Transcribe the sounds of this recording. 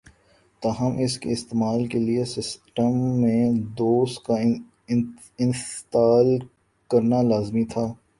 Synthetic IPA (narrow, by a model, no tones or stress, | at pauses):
t̪aːɦəmʔɪskḛɪst̪eːmaːlkeliesɪsʈəmːẽd̪oːst̪̚ka | ɪ̃nst̪aːl | kɐɾnalaːzmit̪ʰaː